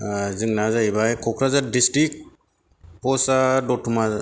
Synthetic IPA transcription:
zɯŋnazajbajkʰɔkʰɾazadisʈɾik̚ | pɔsadɔtʰuma

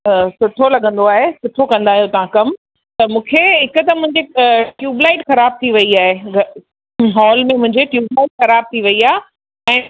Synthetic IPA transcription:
sʊʈʰolɐɠə̃nd̪oaːɦesʊʈʰokɐ̃nd̪aːɦijot̪ɐʋ̤ãkɐm | t̪ɐmũːkʰeɦɪkʊ̆t̪ɐmʊ̃ɦɪ̃ɲd͡ʑekjuːblaɪʈxɐɾaːb̚t̪ʰiʋɐiaːɦeɡ | ɦɔːlmẽmʊ̃ɦɪ̃ɲd͡ʑekjuːblaːɪʈ̚xɐɾaːb̚t̪ʰiʋɐiaː | ɛ̃ː

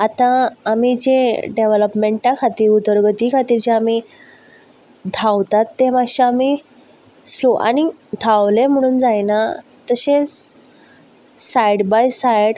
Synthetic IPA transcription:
at̪ãːmid͡ʑeɖeʋləpmeɳʈakʰat̪iːɾud̪əɾɡət̪ikʰat̪iːɾd͡ʑeami | d̪ʱawt̪at̪ːemaɕaami | sloʔa̰ñid̪ʱaʋlem̤əɽ̃uːnd͡zajna | t̪əɕet͡s | sajɽbajsajɽ

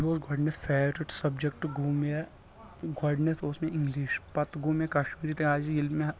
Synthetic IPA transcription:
ɦoːsɡʱɔɖnespʰeːʋɾɪʈsɐbd͡ʒek̚ʈɡuːmje | ɡɐɖnesosmẽɪ̃ŋɡliːʃpɐt̪ɡuːmjekɐʃmiːɾit̪ɐkaːd͡ʒiilmẽ

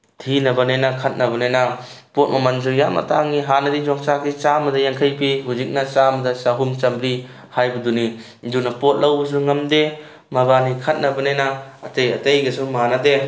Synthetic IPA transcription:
tʰinɐbɐnenɐkʰɐt̚nɐbɐnenɐpot̚mɐmɐnzuɾjamɐ̰taŋiɦanɐdid͡ʒɔŋt͡ʃaɡit͡ʃamɐdɐjaŋkʰɐjpiɦuzik̚nɐt͡ʃamɐdɐsaɦumt͡ʃɐmbɾi | hajbɐduni | dunɐpot̚lɐwbɐs̬uŋɐmde | maβanikʰɐt̚nɐbɐnenɐːtejɐtejɡɐsumanade

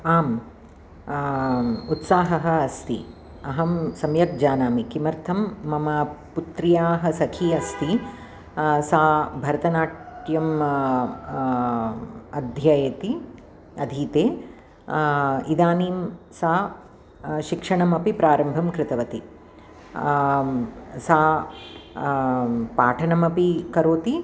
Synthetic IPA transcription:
aːm | ut̪saːɦɐɦɐ̆ɐst̪ḭ | ɐɦɐmsɐmjɐk̚d͡ʒaːnaːmikimɐɾt̪ʰɐmːɐmaput̪ɾijaːɦɐ̆sɐkʰiɐst̪i | saːbʱɐɾɐt̪ɐnaːʈʈjɐm | ɐd̪ʱjajɐt̪i | ɐd̪ʱiːt̪eː | id̪aːniːm | saː | ʃikʂɐɳɐmɐpipɾaːɾɐmbʱɐmkɾɪt̪ɐʋɐt̪i | saː | paːʈʰɐnɐmɐpikɐɾoːt̪i

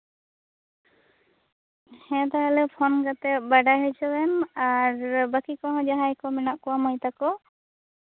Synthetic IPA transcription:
hɛ̃t̪aɦalɛpʰɔnkat̪ɛbaɖajɦɔt͡ʃɔwɛnaɾbakikɔɦɔ̃d͡ʒaɦajkɔminaʔkɔwamajt̪akɔ

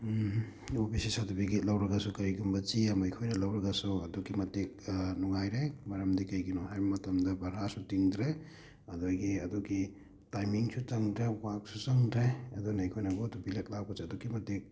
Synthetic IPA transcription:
obisisadubiɡitlɐwɾɐɡasukɐɾiɡumbɐt͡ʃiamɐjkʰojɾɐlɐwɾɐɡasuɐdukimɐtik̚nuŋajɾejmɐɾɐmdikɐjɡinɔhajbɐmɐtɐmdɐbʱɐɾasutiŋd̪ɾe | ɐdojɡiɐduɡi | tajmiŋsut͡ʃɐŋdɾewak̚sut͡ʃɐŋdɾejɐdɔnɐjkʰojnɐɡɔtubilek̚law̚kɔsɐdukimɐtik̚

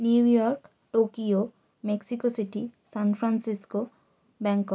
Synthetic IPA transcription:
niujɔɾk | ʈokio | meksikosiʈisanpʰɾansisko | bɛŋkɔ

